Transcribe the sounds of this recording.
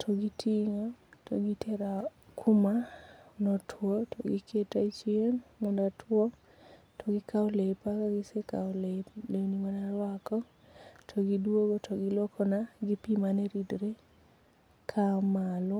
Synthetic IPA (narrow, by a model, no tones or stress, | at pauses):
tʰɔɡitʰiŋotʰo̰ɡitʰeɾakʰumanɔtʰwotoɡikʰetait͡ʃienmɔndatʰwɔ | tʰoɡikʰaɔlepakaɡiseka̰ɔleleuniŋɔnaɾwakɔ | tʰɔɡidwoɡotʰoɡilokʰɔnaɡipimaneɾidɾe | kʰamalɔ